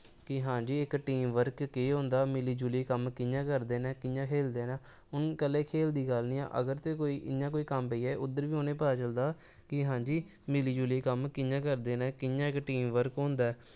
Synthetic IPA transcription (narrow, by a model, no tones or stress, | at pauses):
kɪɦãːd͡ʒiːɪkʈiːmʋəɾkːeːɦõːnd̪aːmɪliːd͡ʒuleːkəmkɪjãːkəɾd̪eːnɛːkɪjãːkʰeːld̪eːnãː | ʊnkəlːẽːkʰeːld̪iːɡəlnĩːã̰ːʔə̰ɡəɾt̪eːkoːiːʔɪ̰jãːk̬oːiːkəmpeiːɛːʔʊd̪əɾʋiːoːnẽːpaaːt͡ʃəld̪aː | kɪɦãːd͡ʒiː | mɪliːd͡ʒuliːkəmkɪjãːkəɾd̪eːnɛːkɪjãːɪkʈiːmʋəɾkɦõːnd̪aː